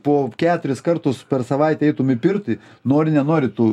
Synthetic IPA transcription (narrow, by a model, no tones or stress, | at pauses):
poːkʲæːt̪ʊɾʲɪskɐrt̪ʊspʲɛrsɐʋɐɪt̪ʲɛɛɪt̪ʊmɪpʲɪrt̪ɪ | noːɾʲɪnʲɛnoːɾʲɪt̪uː